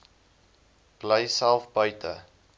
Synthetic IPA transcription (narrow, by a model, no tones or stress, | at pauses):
b̥ləjsælˠfbœɥtə̰